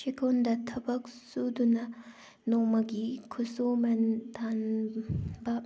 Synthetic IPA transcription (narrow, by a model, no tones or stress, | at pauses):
ʃikʰond̪ɐt̪ʰɐbɐksud̪unɐ | nomɐɡikʰusomɐnt̪ʰan | bɐ